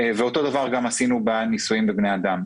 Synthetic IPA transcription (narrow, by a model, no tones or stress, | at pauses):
veo̞t̪o̞d̪avaʁɡamasinubanisujimbebnead̪am